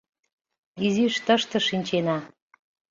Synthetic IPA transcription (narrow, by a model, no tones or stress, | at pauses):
iziʃt̪əʃt̪ɤ̆ʃinʲt͡ɕenɑ